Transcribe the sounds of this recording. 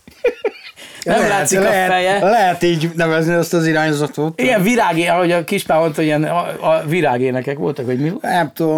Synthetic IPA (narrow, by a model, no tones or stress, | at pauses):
nɛmlaːt̪sikfɛjɛlɛɦɛt̪iːɟnɛvɛzniɛst̪ɒziɾaːɲzɒt̪oːt̪iɡɛɱviɾaːɡeɒho̞ɟɒkiʃpaːont̪oiɛnɒviɾaːɡeːnɛkɛkʋo̞̰lt̪ɒkʋɒɟminɛmt̪ud̪o